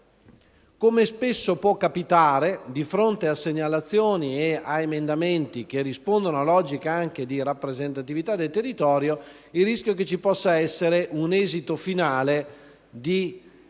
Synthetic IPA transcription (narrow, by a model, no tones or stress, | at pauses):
komespesːopwɔkːapit̪aːɾed̪ifɾont̪easeɲːalat̪sːjoːnieaemend̪ament̪ik̟erːispond̪onoalɔːd͡ʒikaaŋk̟ed̪iɾapːɾezent̪at̪ivit̪ad̪ːelt̪erːit̪ɔːɾjo | ilːiskjok̬et͡ʃipɔsːaɛsːeɾeʔunɛːzit̪ofinaːle | d̪i